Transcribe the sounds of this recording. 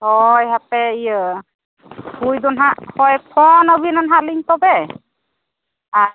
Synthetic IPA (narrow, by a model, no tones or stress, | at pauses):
hɔjɦapɛi | bujd̪ɔnɦahɔjkʰɔnabinanɦaliŋtɔbɛ | a